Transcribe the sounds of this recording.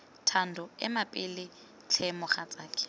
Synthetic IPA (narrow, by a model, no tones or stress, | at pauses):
tʰandʱʊɛ̰mapʼɪlɪ | t͡ɬʰɛmʊχat͡sʼaːkʰʼɪ̥